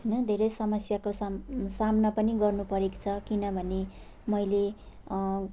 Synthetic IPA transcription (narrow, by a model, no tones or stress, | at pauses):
nʌd̪ʱeɾʌjsʌmʌsjakossamnʌpʌniɡʌrnupʌɾekt͡sʰʌkinʌbʱʌne | mʌjle